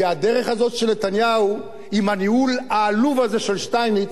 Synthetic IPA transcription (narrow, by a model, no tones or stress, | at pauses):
eadeʁeχazo̞t̪ʃeletanjau | imaniulaːluvazeʃelʃtajmit